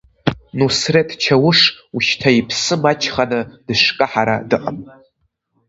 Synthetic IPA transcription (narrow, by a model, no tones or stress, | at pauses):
nusretʰt͡ʃʰawʊʂuʃtʰaipʰsɨmat͡ʃʰχanɨd̥ɨʂkʼɨħaɾa̰dɨqʼa̰m